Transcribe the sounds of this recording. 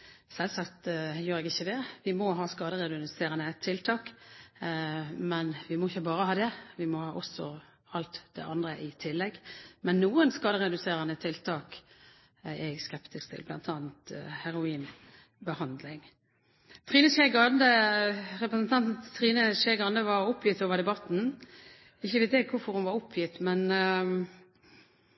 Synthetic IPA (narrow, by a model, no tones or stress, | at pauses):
sɛlsɑkt̪jøːɾɛɡɪçːəd̪ɛʋɪmɔɦɑːskɑːd̪əɾɛd̪ʉnseːɾənət̪ʰɪlt̪ʰɑːk | mɛnʋɪmɔɪçːəbɑːɾəhɑːd̪ɛʋɪmɔhɑːʔɔsːɔ | ɑlt̪d̪ɛ̰ʔɑnd̪ʁəʔɪt̪ʰɪlːɛɡmɛnːuːənskɑːd̪əʁɛd̪ʉseːɾənət̪ʰɪlt̪ʰɑːk | ɛɡskɛpt̪ɪskt̪ʰɪ̰lblɑ̰nt̪ʰɑːnt̪hæɾʊiːn | bəhɑnd̪lɪŋ | t̪ʰʁiːnəʃɛɡɑnd̪əʁɛpɾəsənt̪ʰɑnt̪t̪ʰːʁiːnəʃɛɡɑnd̪əʋɑɾʊpʰjɪt̪ːoːʋəd̪ɛbɑt̪n̩ | ɪçːəʋeːt̪ɛɡkʰʊfɔɾhʊnʋɑɾʊpʰjɪt̪mɛn